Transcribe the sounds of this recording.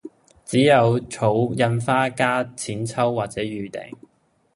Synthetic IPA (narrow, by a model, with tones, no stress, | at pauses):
t͡siː˨˥jɐ˨˧wt͡ʃʰo˨˥wjɐ˧nfaː˥kaː˥t͡sʰiː˨˥nt͡sʰɐ˥wːaː˨t̚t͡sɛː˨˧˥ɥyː˨˩t̪ḛ˨˩ŋ